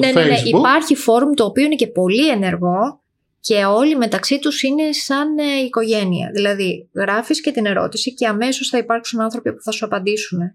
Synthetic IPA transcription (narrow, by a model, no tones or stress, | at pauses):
neneneipɐɾçifo̞ɾumt̪o̞ːpio̞inece̞po̞lie̞ne̞ɾɣo̞ | ce̞o̞lime̞t̪ɐksit̪usine̞sɐniko̞ʝe̞niɐ̰ðilɐðiɣɾɐfisce̞t̪ine̞ɾo̞̰t̪isice̞ɐme̞so̞sθɐipɐɾksunɐnθɾo̞pipu̥θɐsuɐpɐnd̪isune̞